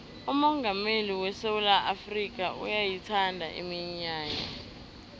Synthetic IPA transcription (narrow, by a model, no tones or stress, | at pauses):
umɔŋɡʱameliwɛsewulaʔafrik̬ʼaṵjajitʰandʱa̰ʔḭmiɲaːɲa̰